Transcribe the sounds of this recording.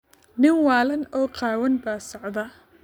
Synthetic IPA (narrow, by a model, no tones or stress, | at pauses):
nɪnwɑːlɐnɔːqɑːwɐnbaːsɑʕd̪ɐ